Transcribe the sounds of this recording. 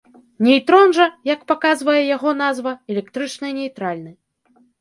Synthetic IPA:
nʲɛjt̪ɾɔnʐɐjɐkpakazvɐjɛjaɣɔnazvɐɛlʲɛkt̪ɾɨt͡ʂnɐjnʲɛjt̪ɾalʲnɨ

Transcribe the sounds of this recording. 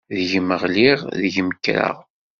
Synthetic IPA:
ðəʝməʁliʁðəʝməkːɾə̰ʁ

